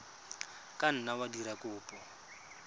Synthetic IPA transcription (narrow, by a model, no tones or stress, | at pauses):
kʼan̩nawadiɾakʊːpʼɔ